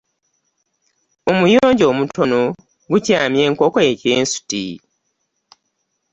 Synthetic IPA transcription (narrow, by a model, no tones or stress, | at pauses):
omujoːɲɟo̞ːmutʰono | ɡucaːmje̞ːŋko̞koeceːnsu̥tḭ